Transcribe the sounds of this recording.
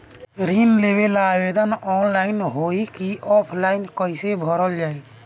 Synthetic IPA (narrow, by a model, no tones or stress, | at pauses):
ɾinlebelabed̪ənɔnlaɪnɦoikiɔpʰlaɪnkɔjsebʱɔɾəld͡ʒaːe